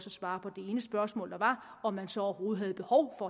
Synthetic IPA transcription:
sɒsʋɑ̈ːpʰɒ̽d̥e̝e̝ːnəsb̥ɶɐsmɔ̰ːld̥ɑ̈ʋɑ̈ | ɒ̽mːænsɒ̽ɒɐho̝ːð̞̩ˠɦæð̞̩ˠb̥e̝hɒʊfɒ̽

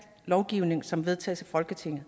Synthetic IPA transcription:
lɒʊɡ̥iʊ̰ne̝ŋsɒ̽mʋe̝ð̞ˠt͡sʰɛ̰ːsæfɒ̽lɡ̥ət͡sʰe̝ŋ̰ð̩ˠ

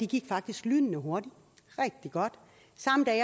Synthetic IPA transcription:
d̥iɡ̥iɡ̥fɑ̈ɡ̥̚d̥isɡ̥lyːnnəɦo̝ɐd̥i | ʁɛɡ̥̚d̥iɡ̥ɒ̽d̥ | sɑ̈md̥æ

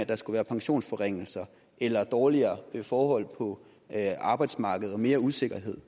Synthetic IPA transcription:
æd̥ɑ̈sɡ̥uʋæːɐpʰɑ̈ŋɕo̝̰ːnsfɒʁeŋ̰l̩sɐ | ʔelɐd̥ɒːliɐːʋe̝fɒːhɒ̽l̰pʰɒ̽ | ɑ̈ːb̥ɑ̈ɪd̥smɑ̈ːɡ̥əð̞̩ˠɒ̽me̝ːɐuse̝ɡ̥ɐɦe̝ð̞̰ˠ

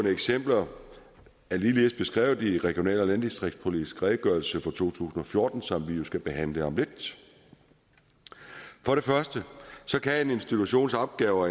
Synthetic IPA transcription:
nəeɡ̥sem̰b̥lɐ | æliːliðˠsb̥e̝sɡ̥ʁɛ̰ːʊd̥iʁɛɡ̥io̝nɛ̰ːlɒlænd̥isd̥ʁiɡ̥̚spʰo̝lidi̥sɡ̥ʁɛːðˠəɡ̥ɶɐl̩səfɒt͡sʰo̝̰ːt͡sʰṵːsn̩ɒ̽fjo̝ɐd̥n̩sɒ̽mʋijo̝sɡ̥æb̥e̝ɦæn̰ləɑmle̝ɡ̥̚ | fɒ̽ɾe̝fɶɐsd̥əsɒ̽kʰæe̝ne̝nsd̥it͡sʰuɕo̝̰ːnsɒ̽b̥̚ɡ̥ɛːʊɐ

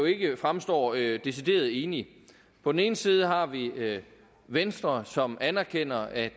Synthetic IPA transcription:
o̝e̝ɡ̥əfʁamsd̥ɒ̰ːd̥e̝sid̥e̝̰ːɐð̞ˠe̝ːni | pʰɒ̽d̥en̩e̝ːn̩siːð̞ˠəɦɑ̈ʋi | ʋensd̥ʁɐsɒ̽mʔænæɐkʰen̰ɐæ

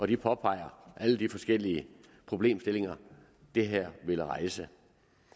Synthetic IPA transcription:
ɒ̽d̥ipʰɒ̽pʰɑ̈ɪ̰ɐʔæləd̥ifɒ̽sɡ̥el̰iə | pʰʁo̝b̥le̝̰ːmsd̥e̝le̝ŋɐ | d̥e̝ɦæɐ̰ʋe̝ləʁɑ̈ɪsə

